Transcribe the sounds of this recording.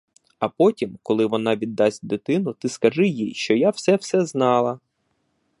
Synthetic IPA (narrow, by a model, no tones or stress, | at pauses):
ɐpɔtʲimkɔlˠɪʋɔnɑʋʲid̪ːɑsʲtʲd̪ɪt̪ɪnʊt̪ɪskɐʒɪjijʃt͡ʃɔjaw̥sɛwsɛznɑlˠɐ